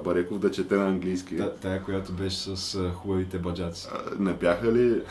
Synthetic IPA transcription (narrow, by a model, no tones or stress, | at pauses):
bɐɾɛkovd̪ɐt͡ʃɛt̪ɛnɐɐŋɡlijskit̪aɛkojat̪obɛʃɛ̥sɐsxubɐvit̪ɛbɐd͡ʒat̪si̥̰nɛbjaxɐli